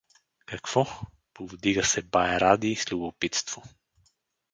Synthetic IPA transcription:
kɐkv̥ɔ | povd̪iɡəsɛbaɛɾad̪iːslʲubopit̪st̪v̥o

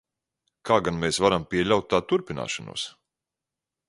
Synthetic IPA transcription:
kʰaːɡanmɛːsvaɾampʲiɛʎʲawt̪̚t̪ːaːt̪uɾpʲina̰ːʃanṵɔs

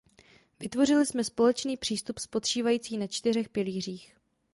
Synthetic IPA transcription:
vɪt̪vo̞rɪlɪsmɛspo̞lɛt͡ʃniːpr̥iːst̪upspo̞t̪riːvajiːt͡siːnat͡ʃt̪ɪr̝ɛxpɪliːr̝iːx

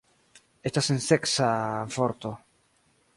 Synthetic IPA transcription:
estasenseksafoɾt̪o̞

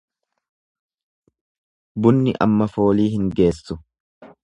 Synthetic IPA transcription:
bʊnːɪʔɐ̰mːɐfo̞ːliːhɪŋɡe̞ːsːʊ

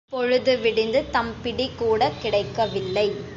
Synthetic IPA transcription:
pɔɻɯðɯʋɪɽɪnd̪ɯt̪ɐmpɪɽikːuːɽɐkɪɽɐɪkːɐʋɪlːɐɪ

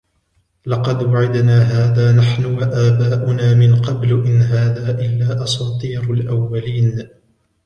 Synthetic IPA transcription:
lɑqɑd̪waʕɪd̪naːɦaːðaːnaħnʊwaʔaːbaːʔʊnaːmɪnqɑblʔɪnɦaːðaːʔɪlːaːʔɑsɑːt̪ˤiːɾalʔawːaliːn

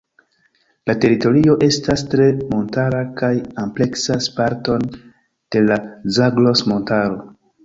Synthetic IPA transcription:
late̞ɾito̞ɾio̞ʔe̞stastɾe̞mo̞ntaɾakajample̞ksaspaɾto̞n | d̥e̞lazaɡlo̞smo̞ntaɾo̞

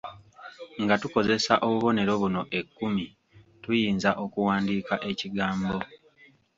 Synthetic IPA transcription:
ŋɡatuko̞ze̞saʔo̞βuβo̞ne̞ɾo̞βuno̞ʔe̞kːumi | tujiːnzaʔo̞kuwaːndiːkaʔe̞ciɡaːmbo̞

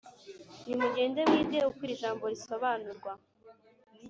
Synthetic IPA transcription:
nimuɟe̞ːndemwiːdeukwiɾiʒaːmbo̞ɾiso̞βanuɾɡwa

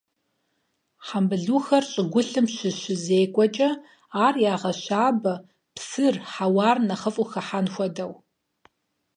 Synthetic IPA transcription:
ħambɨɮuːxɐrɕʼɪɡʷʊɬɨmʃɪʃɪzeːkʷʼɔt͡ʃʼɐ | aːrjaːʁɐɕaːbɐ | psɨrħawaːrnɐχəfʼʊxɐħanxʷɔdɐw

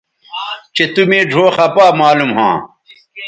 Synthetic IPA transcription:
t͡ɕet̪umẽːɖʱoːxɐpaːmaːlumɦã̰ː

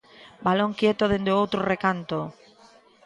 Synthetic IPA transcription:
baloŋkjet̪oðend̪eowt̪ɾorekant̪o

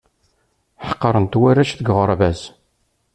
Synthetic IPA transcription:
ħə̥qːɑɾˤənt̪wæræʃθəɡʁəɾˤvæs

